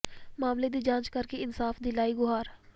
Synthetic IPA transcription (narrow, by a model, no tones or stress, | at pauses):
maːmled̪iːd͡ʒãːt͡ʃkəɾkeɪnsaːfd̪ilaːiɡʊɦaːɾ